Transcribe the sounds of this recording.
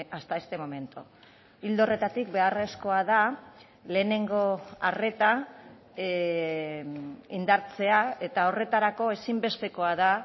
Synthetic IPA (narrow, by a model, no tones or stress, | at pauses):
ast̪ae̞st̪e̞mo̞me̞nt̪o | ild̪o̞re̞t̪at̪ik̚be̞are̞sko̞aða | le̞ːne̞ŋɡo̞are̞t̪a | ind̪aɾt͡se̞ae̞t̪ao̞re̞t̪aɾako̞e̞simbe̞st̪e̞ko̞að̞a